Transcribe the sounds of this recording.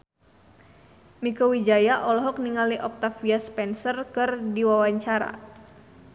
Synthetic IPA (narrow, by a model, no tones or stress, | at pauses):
mikɔwid͡ʒajaʔɔlɔɦɔk̚niŋaliʔɔk̚t̪afiaspɛnsərkɨrdiwawaɲt͡ʃaɾa̰